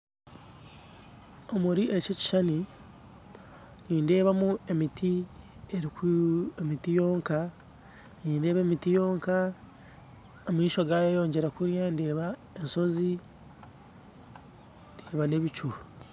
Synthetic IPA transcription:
o̞muɾiʔecoci̥ʃani | niːnde̞ːβamue̞mitʰi | e̞ɾikemitijo̞ːŋka | niːnde̞ːβemitijo̞ːŋka | omiːʃo̞ɡaːjojo̞ːɲɟe̞ɾakuɾjandeːβa | enso̞zi | ndeːβane̞βit͡ʃu

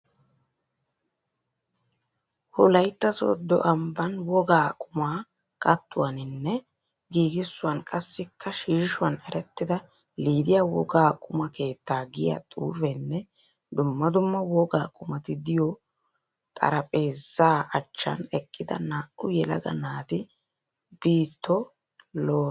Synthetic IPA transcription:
hʊlɐjt̪ːɐsɔ̰d̪ɔ̰ʔɐmbɐnwɔɡaːkʼʊmaː | kʼɐt̪ːʊwanɪnːɛ | ɡiːɡɪsːʊɐnkʼɐsːɪkʰːɐʃiːʃʊɐnɛɾɛt̪ːɪd̪ɐ | liːd̪ɪjaːwɔ̰ɡaːkʼʊmɐke̞ːt̪ːaːɡɪjɐ̰t̪ʼṵːfɛnːɛ | d̪ʊmːɐd̪ʊmːɐwɔɡa̰ːkʼʊmɐt̪ɪd̪ɪjɔ | t̪ʼɐ̰ɾɐpʼe̞ːzːaːɐt͡ʃːɐ̰nɛkʼːɪd̪ɐ̰naːʔʊjɛlɐ̰ɡɐ̰naːt̪ɪ | b̥iːt̪ːɔ | loː

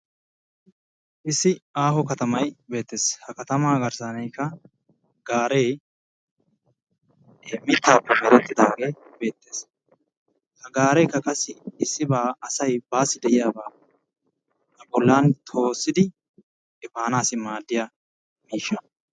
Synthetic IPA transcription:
ʔɪsːɪaːɦɔkɐt̪ɐmɐjbe̞ːt̪ːe̞ːshɐkɐt̪ɐmaːɡɐɾsaːnɛjkːɐ | ɡaːɾej | mɪt̪ːaːpːɛmɛɾɛt̪ːɪd̪aːɡe̞ːbe̞ːt̪ːe̞ːs | hɐɡaːɾɛjkːɐkʼɐsːɪɪsːɪbaːɐsɐjbaːsːɪd̪ɛʔɪjaːbaː | hɐbɔlːaːnt̪ʰo̞ːsːɪd̪ɪ | ɛfaːnaːsɪmaːd̪ːɪja | miːʃːɐ

